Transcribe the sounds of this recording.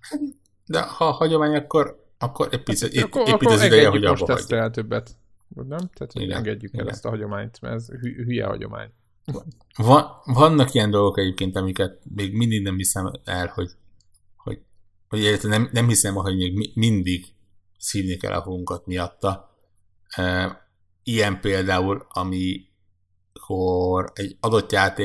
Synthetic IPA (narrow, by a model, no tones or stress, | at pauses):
hat̪ | d̪ɛ̰hɒːhɒɟo̞maːɲɒkːo̞ɾ | ɒkːo̞ɾɛɟpit̪sɛpitsizid̪ɛjjɛɦɟɒobʃbɒt̪ɛ̰ɟt̪ːɛɛlt̪øbːɛt̪ | nɛmt̪æːt̪hḭɡɛ̰ŋɡɛɟːykɛ̰lɛ̰st̪ɒɦɒɟo̞maːɲt̪mɛ̰ɛzhyɦyjɛ̰hɒ̰ɟo̰ma̰ːɲ | vɒnvɒnːɒkijɛnd̪o̞lɡo̞kɛɟeːp̚keːnt̪ɒmikɛt̪̚meːɡmind̪iɡnɛmhisɛmɛlho̞ɟ | ho̰ɟ | ho̞ɟɛɟɛt̪lɛnɛmnɛmhisɛmɦo̞ɟmeːɡmimind̪iɡ | siːvnikɛ̰lːʔɒ̰ɦoɡuŋkɒt̪mijɒt̪ːɒ | øː | ijɛmpeːld̪aːulɒmi | kʰo̞rɛɟɒd̪o̞t̪ːjaːt̪eː